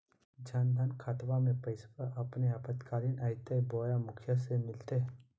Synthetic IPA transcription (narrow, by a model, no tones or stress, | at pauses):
d͡ʒaːnd̪ʱaːnkʰaːt̪bamẽpəɪspəʔɐpneapət̪kaːɾinʔaɪt̪ebɔːjamʊkʰjəsemɪlt̪e